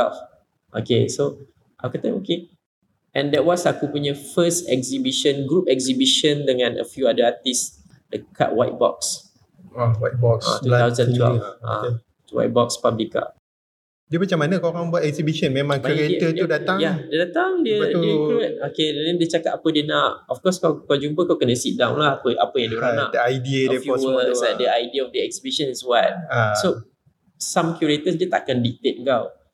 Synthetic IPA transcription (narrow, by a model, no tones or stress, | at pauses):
ɛ̰lf | ʔo̰kḛso | ʔawkat̪ãmoke | ʔɛ̃ndɛt̚wɔsakupuɲəfəstɛ̰kzibiʃə̃nɡɾup̚ɛk̚zibiʃə̃ndəŋãnə̰fjuadəat̪is | dəkʰa̰ʔ̚wajt̚bɔ̰ks | ɔwajt̚bɔksã̰t̪uawzə̃ntwɛ̰lfã̰ | wa̰jt̚bɔkspablika̰ | diəmat͡ʃamːanakawɾãbuat̪ɛksibiʃə̃nmẽmãŋkjuɾet̪ət̪udat̪ajadiədat̪aŋdiəiəikut̚okedɛɛ̃ndiət͡ʃakat̪̚apədiənaʔɔfkɔskawkad͡ʒuŋpəkawkənəsit̪̚dawnlahapəʔa̰pəjãŋdiəɾanaʔdəajdiəɔɛfjɔwəadəajdiəɔfdəɛk̚sibiʃə̃niswajt̚aso | sãmkjuɹet̪əsdiət̪a̰ʔkandik̚t̪et̚kaw